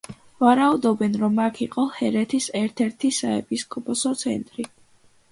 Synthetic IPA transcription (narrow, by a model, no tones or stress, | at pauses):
vaɾaud̪ɔbɛnɾɔmːakʰiqʼɔhɛɾɛt̪ʰisɛɾt̪ʰɛɾt̪ʰisaɛ̰pʰiskʰʼɔpʰɔsɔt̪sʰɛ̰nt̪ʼɾi